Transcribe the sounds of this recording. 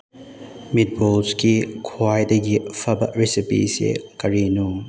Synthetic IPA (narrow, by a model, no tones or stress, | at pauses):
mit̚bolskikʰoajdɐɡipʰɐbɐ̰ɾisipḭsḛkɐɾinu